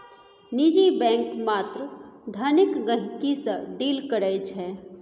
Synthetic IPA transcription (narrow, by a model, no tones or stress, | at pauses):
nid͡ʒibɛ̃ːŋkmaːt̪ɾd̪ʱənɪkɡə̃ɦkisəɖiːlkəɾəjt͡ʃʰɛː